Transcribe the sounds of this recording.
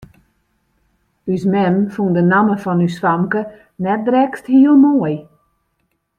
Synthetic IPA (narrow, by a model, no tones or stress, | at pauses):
ysmɛmfundənaməfɔnyswamkə | nɛt̚drɛksthiəlˠmoəj